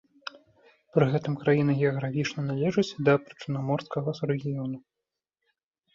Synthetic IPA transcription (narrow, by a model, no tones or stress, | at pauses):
pɾɨɣɛt̪ɨmkɾajinɨɣʲɛɐɣɾafʲit͡ʂnɐnalʲɛʐɨt͡sʲd̪ɐpɾɨ̥t͡ʂɨnamɔrskɐɣɐrɛɣʲijɔnu